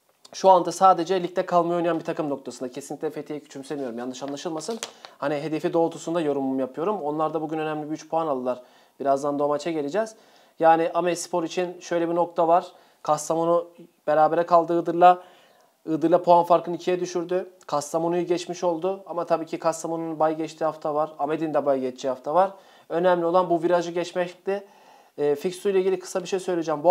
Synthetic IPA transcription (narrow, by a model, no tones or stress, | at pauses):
ʃuand̪asaːd̪e̞d͡ʒɛlʲic̚lʲɛkʰalˠmɯjonijanbit̪ʰakɯmno̞k̚t̪ʰasɯnd̪acʰesinʲic̪ʲtlʲɛfe̞t̪ʰijɛcʰy̥t͡ʃʰymsemijo̞ɾumjanːɯʃanlˠaʃɯlˠmasɯnhaniɦe̞d̪e̞fid̪o̞ːt̪ʰusund̪ajo̞ɾumumjapʰɯjo̞ɾumo̞nlˠaɾd̪abuɟynø̞næmlʲibiyt͡ʃpʰoanalˠɯlˠaɾ̥ | biɾazd̪and̪omat͡ʃʰaɟelʲed͡ʒɛːz̥ | jaːnɪʔamɛspʰo̞ɾit͡ʃʰinʃø̞jlʲebino̞k̚t̪ʰavaɾ̥ | kʰast̪amonu | b̥e̞ɾaːbeɾɛkʰalˠd̪ɯːɯd̪ɯɾlˠa | ɯd̪ɯɾlˠapʰoanfaɾkɯnicʰijɛd̪yʃyɾd̪ykʰast̪ʰamonujɟɛt͡ʃmiʃo̞lˠd̪ʊamat̪ʰabiːcʰikʰast̪amonunbajɟɛt͡ʃt̪ʰiːhaft̪ʰavaɾamed̪ind̪ɛbajɟɛt͡ʃt͡ʃʰːiːhaft̪ʰavaɾ | ø̞næmlʲiolˠanbuviɾaʒɯɟɛt͡ʃmɛclɪː | ficsujlʲɛiɟilʲikʰɯ̥sabiʃejsø̞jlʲed͡ʒɛmbu